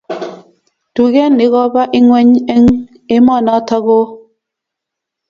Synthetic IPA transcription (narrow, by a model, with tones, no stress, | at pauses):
tu˨ɣe˦ni˨˦ɣɔ˦ba˦ʔi˦ŋwɛ˦ɲe˦ŋ | e˦mɔ˦˨nɔ˦tɔ˦ɣo˦